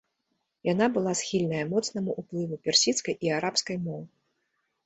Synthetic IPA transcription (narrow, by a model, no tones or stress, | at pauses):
janabɨlˠasxʲilʲnɐjɐmɔt̪snɐmuʔuplˠɨvupʲɛrsʲit̪skɐjʔiaɾapskɐjmɔw